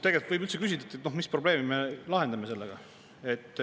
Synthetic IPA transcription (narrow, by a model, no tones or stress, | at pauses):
t̪e̞ɡelt̪vɯjbylt̪sekys̬ʲid̪ɑt̪ːet̪no̞hmisproble̞ːmimelɑɦe̞nd̪ɑme̞se̞lːeɡ̥ɑ | et̪ːˑ